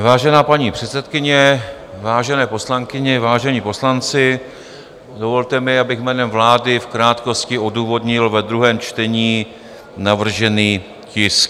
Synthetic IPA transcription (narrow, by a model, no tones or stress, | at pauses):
vaːʒɛnaːpaɲiːpr̥ɛt̪sɛt̪kɪɲɛ | vaːʒɛnɛːpo̞slaŋkɪɲɛvaːʒɛɲipo̞slant͡sɪ | do̞vo̞lt̪ɛmɪabɪxmɛːnɛmvlaːdɪfkɾaːt̪ko̞scɪo̞duːvo̞dɲɪlvɛd̪ɾuɦɛːmt͡ʃt̪ɛɲiː | navr̩ʒɛniː | cɪsk